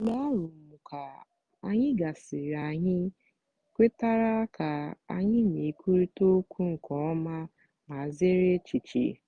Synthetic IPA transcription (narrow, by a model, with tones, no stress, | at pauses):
ɡ͡ba˦a˦ɾu˨m̩˨mu˨ka˨ | a˦ɲɪ˦ɡa˨sɪ˨ɾa˨ɲɪ˦ | kʷe˦ta˦ɾa˦ka˨a˦ɲɪ˦ni˨kʷʰu˦ɾi˦to˦kʷu˦ŋ̩˨kɔ˨˦ɔ˦ma˦ | ma˨ze˦ɾe˦t͡ʃi˨t͡ʃḭ˨